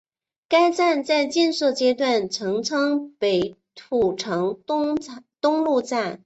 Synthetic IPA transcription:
ka˥ɪt͡sa˥˧nt͡sa˥˧ɪt͡ɕɛ˥˧nʂɤ˥˩t͡ɕjɛ˥t̪wa˥˩nʈ͡ʂʰɤ˧˥ŋt͡sʰɤ˥ŋpe˨˩ɪt̪ʰu˨˩ʈ͡ʂʰɤ˧˥ŋ˥ | t̪ʊ˥ŋlu˥˧t͡sa˥˩n

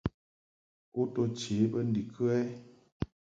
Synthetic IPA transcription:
o˦to˧t͡ʃe˨˦bə˦n̩˦di˨kʰɨ˦ɛ˦

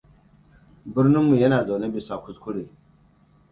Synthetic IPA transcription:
bɪ˦ɾnɪ˦mːu˨jɐ˦naː˨za˨ne˦bi˨sa˨kʷʊ˦skʷʊ˦ɽeː˨

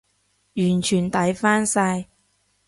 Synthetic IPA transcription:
jyː˨˩nt͡ʃʰyː˨˩nt̪ɐ˨˥jfaː˥nsa˧j

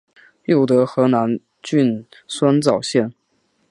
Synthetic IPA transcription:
jo˥˩ʊt̪ɤ˧˥xɤ˧˥na˧˥n | t͡ɕy˥˧nswa˥nt͡sɑ˥˩ʊɕjɛ˥˩n

